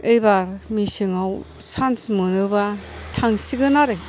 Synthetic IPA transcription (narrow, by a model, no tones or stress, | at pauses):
ɯjbaɾmisɯŋawsansmɯnɯbatʰaŋsiɡɯnaɾe